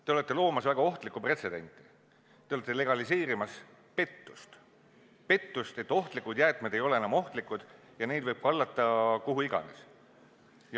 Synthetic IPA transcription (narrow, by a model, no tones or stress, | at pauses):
t̪eo̞le̞t̪ːˑelo̞ːmɑsvæɡ̥ɑo̞ht̪likːˑupre̞t̪se̞d̪e̞̰nʲt̪ˑːi̥ | t̪eo̞let̪ːe̞le̞ɡ̥ɑlis̬e̞ːɾimɑs | pe̞t̪ːu̥st̪ | pe̞t̪ːust̪e̞t̪ːo̞ht̪likud̪jæːt̪ˑmed̪̥e̞jo̞le̞enɑmo̞ht̪likːˑud̪̥ | jɑne̞jd̪vɤjb̥̚kɑlːɑt̪ˑːɑkoɦuiɡ̥ɑ̰nḛs | jɑ